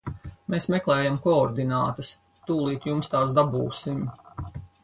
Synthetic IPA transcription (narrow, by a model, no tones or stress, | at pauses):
meːsmɛklˠɛːjamkɔɔɾd̪inaːt̪ɐs | t̪uːlˠiːt̪jumst̪aːsd̪abṵːsim